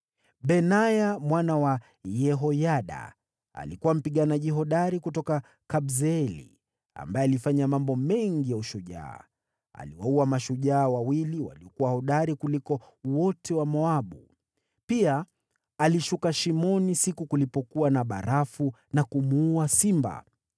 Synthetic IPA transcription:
ɓɛnajamwanawa | jɛɦɔjaɗa̰ | a̰likuwam̩piɠanaʄiɦɔɗaɾikutɔka | kabzɛɛlḭ | a̰mbaɛalifaɲamambɔmɛŋɡijauʃuʄa̰ː | a̰liwauamaʃuʄaːwawiliwa̰liɔkuwahɔɗaɾikulikɔ | wɔtɛwamɔaɓu | piaː | liʃukaʃimɔnisikukulipɔkuwanaɓa̰ɾafu | nakumuːasimba̰

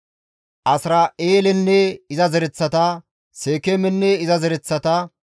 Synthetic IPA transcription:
ʔɐsɾaeːlɛnːɛɪzɐzɛɾɛt͡sːɐt̪ɐ | seːkemɛnːɛɪzɐzɛɾɛt͡sːɐt̪ɐ

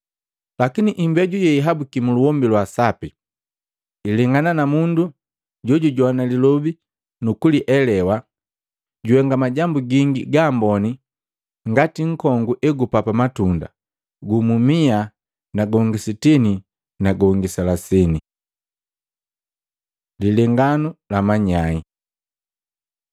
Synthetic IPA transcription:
lakiniʔimbɛɟujɛiɦabukimuluwɔmbilwasapi | iliŋɡananamundu | ɟɔɟuɟwanalilɔbi | nukuliʔɛlɛwa | ɟuhɛŋɡamaɟambuɡiŋɡiɡaːmbɔni | ŋɡatiŋ̩kɔŋɡuʔɛɡupapamatunda̰ | ɡumumia | naɡɔŋɡisitini | naɡɔŋɡisalasɛni | lilɛŋɡanulamaɲai

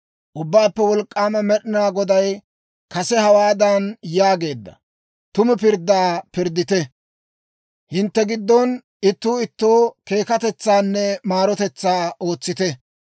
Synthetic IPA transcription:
ʔʊbːaːpːɛwɔlkʼːaːmɐmɛɗɪnaːɡɔd̪ɐj | kɐsɛhɐwaːd̪ɐnjaːɡe̞ːd̪ːɐ̰ | t̪ʊmɛpɪɾd̪ːaːpɪɾd̪ːɪt̪ɛ | hɪnt̪ːɛɡɪd̪ːɔn | ɪt̪ːuːɪt̪ːoːke̞ːkɐt̪ɛt͡sːaːnːɛmaːɾɔt̪ɛt͡sːaːoːt͡sːɪt̪ɛ

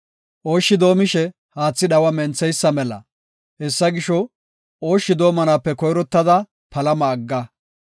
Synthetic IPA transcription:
ʔo̞ːʃːɪd̪o̞ːmɪʃɛ | haːt͡sːɪɗɐwɐmɛnt͡sːɛjsːɐmɛlɐ̰ | hɛsːɐɡɪʃɔ | oːʃːɪd̪o̞ːmɐnaːpːɛkɔjɾɔt̪ːɐd̪ɐ | pɐlɐmɐːɡːɐ

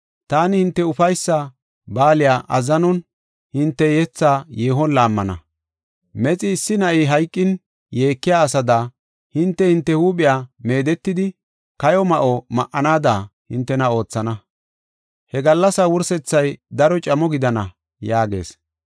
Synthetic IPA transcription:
t̪aːnɪhɪnt̪ːɛʊfɐjsːa | baːlɪjaːʔɐzɐnɔn | hɪnt̪ːɛjɛt͡sːaːjeːɦɔnlaːmːɐnɐ̰ | mɛt͡sʼɪːsːɪnɐʔiːɦɐjkʼːɪn | je̞ːkːɪjaːsɐd̪aː | hɪnt̪ːɛhɪnt̪ːɛhuːɓɪjaːme̞ːd̪ɛt̪ːɪd̪ɪ | kɐjɔmɐʔɔmɐʔɐnaːd̪aːhɪnt̪ːɛnɐo̞ːt͡sːɐnɐ | hɛɡɐlːɐsɐwʊɾsɛt͡sːɐjd̪ɐɾɔt͡ʃʼɐmɔɡɪd̪ɐnɐ | jaːɡe̞̰ːs

